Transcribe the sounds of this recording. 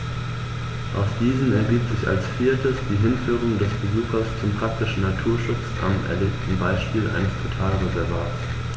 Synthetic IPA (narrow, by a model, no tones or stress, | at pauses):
ʔaʊsd̥iːzn̩ɛɐɡiːpz̥ɪça̰lsfiːɐtʰəsd̥iːɦɪnfyːʁ̞ʊŋdɛsb̥əzuːxɐst͡sʊmpʁ̥ak̚tɪʃn̩natʰuːɐʃʊt͡sʔa̰mʔɛ̰ɐleːptn̩baɪʃpiːlʔa̰ɪnəstʰotʰaːlʁezɛɐvaːts